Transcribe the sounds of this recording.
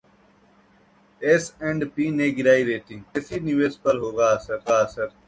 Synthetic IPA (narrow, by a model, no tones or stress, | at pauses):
eːsẽɳɖpiːneːɡɪɾaːiɾeːʈ̪ʰĩːkeːsiːnɪʋeːspəɾɦoːɡaːsəɾaːsəɾ